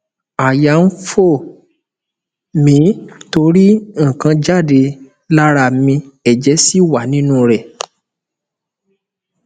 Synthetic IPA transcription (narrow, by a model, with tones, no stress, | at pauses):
a˨ja˨˦n̩˦fo˦˨ | mĩ˨˦to˧ɾi˦ŋ̩˨kã˧d͡ʒa˦˨de˧ | la˦ɾa˧˨mĩ˧ɛ˨d͡ʒɛ˨˦si˦˨wa˨nĩ˦nũ˦˧ɾɛ˨